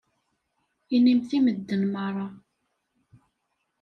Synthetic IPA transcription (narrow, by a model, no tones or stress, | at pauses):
inimθiməd̪ːənmərˤɑ